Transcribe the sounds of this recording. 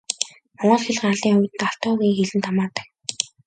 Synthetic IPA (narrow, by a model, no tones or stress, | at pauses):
mɔɴɢɞ̆ɮxeɮ̆χaɮiːŋʊwʲt̪ɘ̆t̪aɬt̪ɔːɣiːŋxeɮɘ̆nt̪ʰamaːt̪ə̥̆k̚